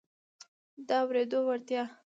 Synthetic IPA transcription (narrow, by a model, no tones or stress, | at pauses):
d̪əawɾed̪owaɾt̪jɑ